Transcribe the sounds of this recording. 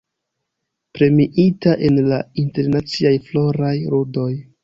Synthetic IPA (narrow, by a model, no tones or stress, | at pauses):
pɾe̞miʔitaʔe̞nlainte̞ɾnat͡siajflo̞ɾajɾodo̞j